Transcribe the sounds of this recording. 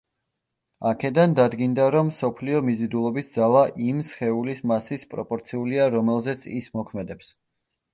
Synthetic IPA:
akʰɛd̪and̪ad̪ɡind̪aɾɔmːsɔpʰliɔmizid̪ulˠɔbisd̪zalˠaʔimsχɛulismasispʼɾɔpʼɔɾt̪sʰiuliaɾɔmɛlˠzɛt̪sʰḭsmɔkʰmɛd̪ɛps

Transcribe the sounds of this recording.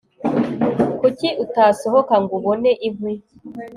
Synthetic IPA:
kuciʔutaːsoɦokaŋɡuβoneʔivwi

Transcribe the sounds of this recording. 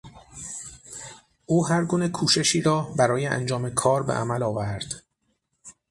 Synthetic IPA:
ʔuːɦæɾɡuːne̞kʰuːʃe̞ʃiːɾɒːbæɾɒːjeʔæ̰nd͡ʒɒːme̞kʰɒːɾbḛʔæ̰mælɒːvæɾd̪̥

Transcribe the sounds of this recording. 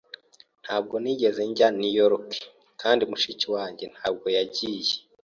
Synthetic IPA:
n̥haːb̚ɡo̞niɟeze̞ɲɟanijoɾokʰe̥ | kʰaːndimuʃiciwaːɲɟen̥haːb̚ɡo̞jaɟije

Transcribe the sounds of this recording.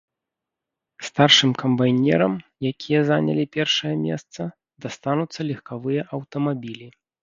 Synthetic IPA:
st̪arʂɨmkʰɐmbajnʲɛ̰ɾɐmjakʲijɛzanʲɐ̰lʲipʲɛrʂɐjɐmʲɛ̰st̪sɐ | d̪ast̪anut̪sːɐlʲixkavɨjɐʔɐwt̪ɐmabʲilʲi

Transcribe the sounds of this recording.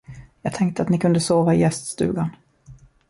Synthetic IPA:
jɑːɡ̚t̪ʰɛŋk̚t̪əat̪nɪkʰɵnd̪əsoːvaɪjɛst̪st̪ʉ̟ːɡan

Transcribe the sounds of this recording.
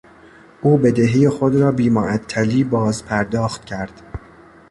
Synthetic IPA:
ʔuːbe̞d̪eɦejexod̪ɾɒːbiːmoʔæt̪ʰːæliːbɒːzpʰæɾd̪ɒːxt̪̚cʰæɾd̪̥

